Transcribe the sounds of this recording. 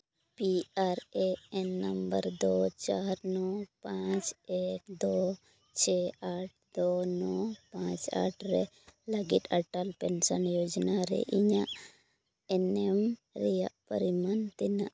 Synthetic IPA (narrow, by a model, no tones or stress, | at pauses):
piaɾeɛnːəmbəɾd̪ɔt͡ʃaɾnɔpãt͡ʃekd̪ɔ | t͡ʃʰɛaʈ̚ʰd̪ɔnɔpãt͡ʃa̰ʈʰɾɛ | ləɡit̪aʈalpɛnsənjod͡ʒnaɾɛ̰ʔiɲaʔ | ɛnɛmɾɛjaʔpə̰ɾimant̪inaʔ